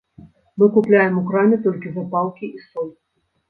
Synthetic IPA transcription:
mɨkuplʲajɛmukɾamʲɛt̪ɔlʲkʲivɨpalˠkʲiisɔlʲ

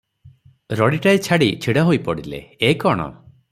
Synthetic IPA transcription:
ɾɔɽiʈajt͡ʃʰaɽit͡ʃʰiɽaɦojpɔɽilḛekɔɽ̃ɔ̰

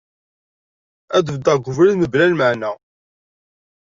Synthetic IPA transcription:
æd̪əvd̪əʁɡʷʊvɾinəblælməʕnæ

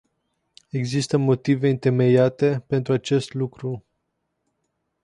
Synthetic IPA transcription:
e̞ɡzist̪əmo̞t̪ive̞ɨnt̪e̞me̞jat̪e̞pe̞nt̪ɾuat͡ʃe̞st̪lukɾu

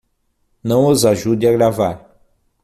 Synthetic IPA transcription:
nɐ̃w̃ozaʒud̪ɪaɡɾavaɾ

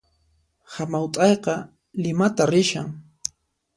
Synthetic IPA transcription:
hamawt̪ʼɑjqɑ | lɪmat̪aɾɪʃa̰ŋ

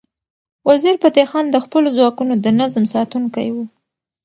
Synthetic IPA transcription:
waziɾpat̪exɑnd̪əxpəlozwɑkunod̪ənazmsɑt̪uŋkajwu

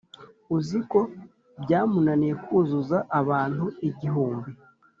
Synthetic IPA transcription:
uziko̞ | bɟaːmunanijekuːzuzaʔːβaːntuiɟiɦuːmbi

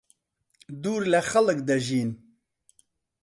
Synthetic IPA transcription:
d̪uːɾlɛxɐlɨk̚d̪ɐʒiːn

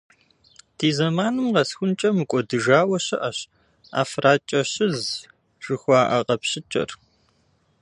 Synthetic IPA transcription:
tʰiːzɐmaːnɨmqɐsxʷʊnt͡ʃʼɐmɨkʷʼɔdɨʒaːwɐɕɐʔɐɕ | a̰ːfraːt͡ʃʼɐɕɪz | ʒ̥ɨxʷɑːʔɐqɐpɕɪt͡ʃʼɐ̰r

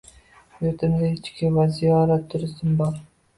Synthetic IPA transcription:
joɾt̪ʰɪmd̪aɪt͡ʃkʲɪvazijɒɾat̪ʰːʊɾɪsɪmbɒɾ

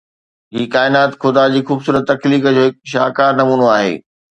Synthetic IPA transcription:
ɦiːkaːɪnaːt̪xʊd̪ad͡ʑiːxuːbsuːɾət̪ːɐkliːkəd͡ʑoːɦɪk̚ʃaːkaːɾnɐmuːnoaːɦḛː

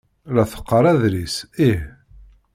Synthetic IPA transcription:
læθə̥qːəɾˤæðɾisih

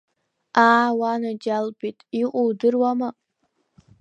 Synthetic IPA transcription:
aːwanad͡ʒalbitʼiqʷʼowdɨrwama

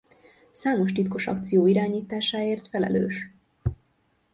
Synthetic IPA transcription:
saːmo̞ʃt̪it̪koʃɒ̰kt̪sijoːiɾaːɲiːt̪aːʃaːeːrt̪fɛlɛ̰lø̰ːʃ

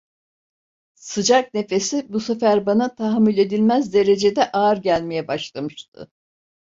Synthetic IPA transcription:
sɯd͡ʒak̚ne̞fe̞sibusefæɾbanat̪ʰaɦmːilʲe̞d̪ilʲmæzd̪e̞ɾe̞d͡ʒe̞d̪ɛʔaːɾɟælʲme̞jɛbaʃlˠamɯʃt̪̚ʰɯ̰

